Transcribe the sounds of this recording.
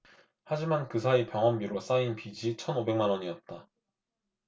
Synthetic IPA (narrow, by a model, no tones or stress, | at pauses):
had͡ʑimankɯs̬ʰaipjʌŋɦʌmbiɾos͈ainpid͡ʑit͡ɕʰʌnobe̞ŋmanwʌɲiʌt̚t͈a